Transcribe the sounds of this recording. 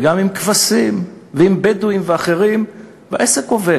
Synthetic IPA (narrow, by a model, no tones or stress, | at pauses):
ɡamimkvasimveimbeduimveaχe̞ʁim | va̰ʔeseko̞ve